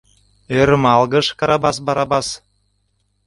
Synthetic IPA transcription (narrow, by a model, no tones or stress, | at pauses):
øɾmɑlˠɡə̆ʃkɑɾɑbɑsbɑɾɑbɑs